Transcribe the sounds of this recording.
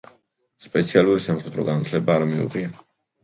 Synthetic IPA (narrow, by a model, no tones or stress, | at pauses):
spʼɛt̪sʰialuɾisamχɛd̪ɾɔɡanat̪ʰlɛbaːɾamiṵʁia